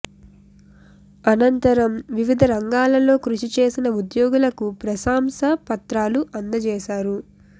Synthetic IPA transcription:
ɐnɐnt̪ɐɾɐmʋiʋid̪ʱɐɾɐŋɡaːlɐlo̞ːkɾuʂit͡ʃe̞ːsinɐud̪joːɡulɐkupɾɐsaːmsɐpɐt̪ɾaːluʔɐnd̪ɐt͡ʃɛːʃaːɾu

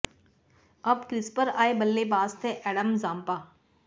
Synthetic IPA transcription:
ɐbkɾɪspəɾaːebəlːebaːst̪ʰeʔɛːɖəmzaːmpaː

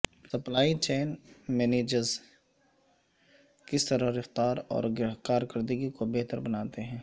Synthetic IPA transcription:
sɐplaːit͡ʃeːnmɛːneːd͡ʒəɾz | kɪst̪əɾəɾɐft̪aːɾɔ̰ːɾɡɪɾəɦkaːɾkəɾd̪əɡikobeɦt̪əɾbɐnaːt̪eɦɛ̃ː

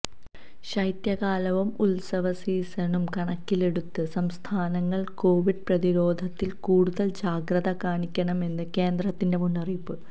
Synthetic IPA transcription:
ɕɐjt̪jɐɣaːlɐʋumulsɐʋɐsiːsɐnumkɐɳɐkːile̞ɽut̪ːɨsɐmst̪ʰaːnɐŋːɐɭko̞ːʋiɖ̚prɐðiɾo̞ːd̪ʱɐt̪ːilkuːɽuðɐld͡ʑaːɡɾɐðɐkaːɳikʲːɐɳɐme̞nːɨke̞ːnd̪rɐt̪ːinde̞munːɐripːɨ

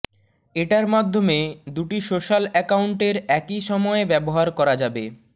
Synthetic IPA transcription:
eʈaɾmad̪ʱːomed̪uʈiʃoʃalɛkauɳʈeɾɛkiʃɔmɔebɛboɦaɾkɔɾad͡ʑabe

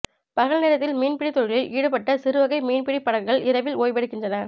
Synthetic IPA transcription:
pɐɣɐɭneːɾɐt̪ːɪlmiːnpɪɽit̪ːɔɻɪlɪlʔiːɽɯpɐʈːɐsɪɾɯʋɐɣɐɪmiːnpɪɽipːɐɽɐlɡɐɭɪɾɐʋɪloːjʋɛɽɯkːɪndrɐnɐ

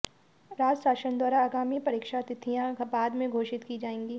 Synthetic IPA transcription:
ɾaːd͡ʒsaːʃənd̪ʱwaːɾaaɡaːmipɐɾiːkʃat̪ɪt̪ʰijãbaːd̪mẽɡʱoːʃɪt̪kid͡ʒaːẽːŋɡiː

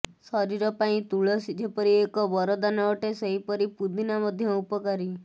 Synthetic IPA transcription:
sɔɾiɾɔpaĩt̪uɭɔsid͡ʒ̪ʱepɔɾiekɔbɔɾɔd̪anɔɔʈeseɦipɔɾipud̪inamɔd̪ʱjɔupɔkaɾi

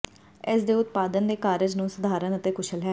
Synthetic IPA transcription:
ɪsd̪eːʊt̪paːd̪ənd̪eːkaːɾəd͡ʒnũːsəd̪ʱaːɾənət̪eːkʊʃʰəlɦɛː

